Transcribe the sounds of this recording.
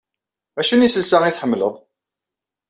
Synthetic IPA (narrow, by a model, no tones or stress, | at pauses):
æʃunisəlsæŋiθħəmːləðˤ